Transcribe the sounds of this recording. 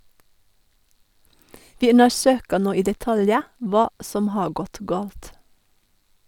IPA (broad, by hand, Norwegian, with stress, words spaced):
ˈʋɪ ˈʉnəˌsøːkə ˈnoː ˈiː dɛˈtɑljə ˈʋɑː ˈsɔm ˈhɑː ˈɡɔt ˈɡɑːlt